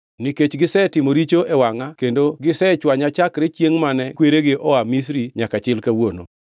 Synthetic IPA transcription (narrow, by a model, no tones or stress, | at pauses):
niket͡ʃɡɪsɛtɪmoɾit͡ʃoʔewaŋakendoɡɪsɛt͡ʃwaɲat͡ʃakɾet͡ʃjeŋmanɛkweɾeɡɪʔɔamis̬ɾiɲakat͡ʃɪlkawono̰